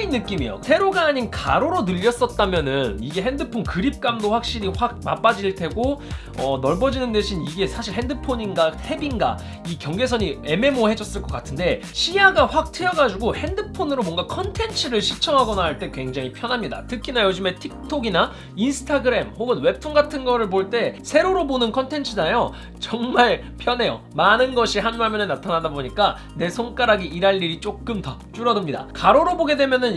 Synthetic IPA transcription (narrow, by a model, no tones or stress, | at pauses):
inːɯk͈imijo̰sʰe̞ɾoɡaːɲinkʰaɾoɾonɯʎːʌs͈ʌt̚t͈amjʌnɯniɡe̞ɦendɯpʰonkɯɾip̚k͈amdoɸwak̚ɕ͈iɾiɸwaɡ̚ma̰p͈ad͡ʑiɭtʰe̞ɡo | ʌnʌɭbʌd͡ʑinɯnde̞ɕʰiniɡe̞sʰaɕʰiɭhɦe̞ndɯpʰoɲinɡahʰe̞binɡa̰ | ikjʌŋɡe̞sʰʌɲie̞me̞mohe̞d͡ʑʌs͈ɯɭk͈ʌk͈atʰɯnde̞ | ɕɕʰijaɡaɸwak̚tʰɯjʌɡad͡ʑuɡohe̞ndɯpʰonɯɾomwʌŋɡakʰʌntʰe̞nt͡ɕʰɯɾɯɭɕʰit͡ɕʰʌŋɦaɡʌnaɦaɭt͈e̞kwe̞ŋd͡ʑaŋipʰjʌnɦamɲida̰tʰɯkʰinajod͡ʑɯme̞tʰik̚tʰoɡina | insʰɯ̥tʰaɡɯɾe̞mhoɡɯnwe̞pʰunɡatʰɯnɡʌɾɯɭboɭt͈e̞sʰe̞ɾoɾobonɯnkʰʌntʰe̞nt͡ɕʰɯdanjo | t͡ɕʌŋmaɭ | pʰjʌne̞jo̰ | manɯnɡʌɕʰiɦanmaɭmɯnɯɭnatʰanadaboɲik͈a | ne̞sʰoŋk͈aɾaɡiʔiɾaʎːiɾit͡ɕ͈ok͈ɯmtʌt͡ɕ͈uɾʌdɯmɲida̰kaɾoɾoboɡe̞dwe̞mjʌnɯn